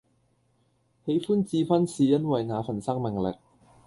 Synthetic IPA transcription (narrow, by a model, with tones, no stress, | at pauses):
he˨˧jfuː˥nt͡siː˨˧fɐ˥nsiː˨jɐ˥nwɐ˨jŋaː˨˧fɐ˨˩nsɐ˥ŋmɪ˨˩ŋlɪ̰˨k̚